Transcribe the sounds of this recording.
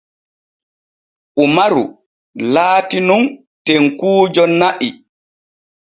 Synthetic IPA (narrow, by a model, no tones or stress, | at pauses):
ʔumaɾṵ | laːtinun | tɛŋkuːd͡ʒɔnːaʔi